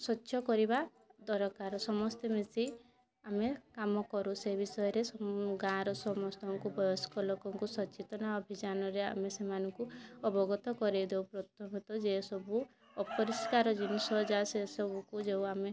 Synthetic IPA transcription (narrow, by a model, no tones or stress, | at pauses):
sɔtːʃʰɔkɔɾiba | d̪ɔɾɔkaɾɔsɔmɔst̪emesi | amekamɔkɔɾusebisɔjɔɾesɔɡãɾɔsɔmɔst̪ɔŋkubʱɔjɔskɔlokɔŋkusɔt͡ʃet̪ɔnaɔbʱid͡ʒanɔɾea̰mesemanɔŋkuɔbɔɡɔt̪ɔkɔɾid̪ewpɾɔt̪ʰɔmɔt̪ɔd͡ʒesɔbu | ɔpɔɾiskaɾɔd͡ʒinɔsɔd͡ʒasesɔbukud͡ʒewame